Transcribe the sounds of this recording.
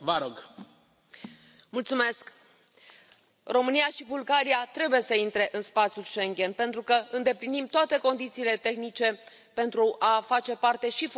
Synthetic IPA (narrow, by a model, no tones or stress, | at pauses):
vəɾoɡ | mult̪sume̞sk | ro̞mɨnijaʃibulɡaɾiat̪ɾe̞buje̞səint̪ɾe̞ʔɨnspat̪sjulʃe̞ŋɡʲe̞npe̞nt̪ɾukəɨnd̪e̞plinimt̪oat̪e̞ko̞nd̪it̪siːle̞t̪e̞xnit͡ʃe̞ | pe̞nt̪ɾuʔafat͡ʃe̞part̪e̞ʃif